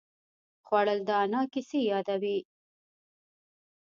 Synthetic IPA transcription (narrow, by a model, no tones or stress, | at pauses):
xwaɽəld̪əanɑkɪsejɑd̪awi